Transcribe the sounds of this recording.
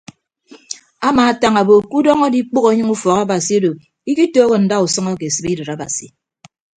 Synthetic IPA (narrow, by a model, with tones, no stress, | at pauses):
a˦maː˨a˦ta˦ŋa˨bo˨ku˦dɔ˦ŋɔ˦di˦k͡po˦ɣo˨˦ɲɨ˦ŋu˦fɔ˨ɣa˦ba˨si˨e˦do˨ | i˦ki˦toː˦ɣe˨n̩˨da˦u˨sɔ˦ŋɔ˦ke˨e˨sɨ˨bi˦dɨ˨ɾa˦ba̰˨sḭ˨